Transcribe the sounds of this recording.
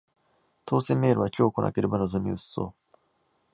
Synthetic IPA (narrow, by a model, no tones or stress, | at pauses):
t̪ʰo̞ːsẽ̞mːe̞ːɾɯ̟βakʲoːkona̰keɾɯ̟banozɨmʲḭɯ̟sso̞̰ː